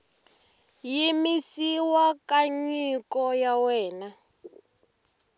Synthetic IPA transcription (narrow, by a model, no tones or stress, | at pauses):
jimisiwakaɲikɔjawɛːna